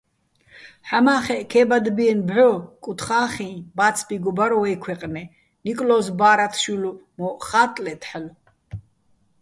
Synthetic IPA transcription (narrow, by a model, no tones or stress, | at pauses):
ħamaːχɛʔkʰɛbad̪biɛnbʕɔkʼut̪ʰχaːχĩbat̪t͡sʰbiɡɔbaɾɔɛkʰwɛqʼnɛ | nikʼlɔzbaːɾat̪ʰʃulumɔχaːt̪ʼlɛt̪ʰħl